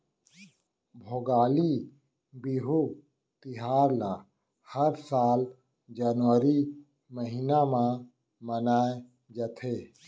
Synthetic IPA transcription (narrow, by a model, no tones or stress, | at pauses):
bʱoːɡaːli | biɦu | t̪iɦaːɾla | həɾsaːl | d͡ʒanʋəɾi | məɦinamã | mɐnaːe | d͡ʒɐt̪ʰeː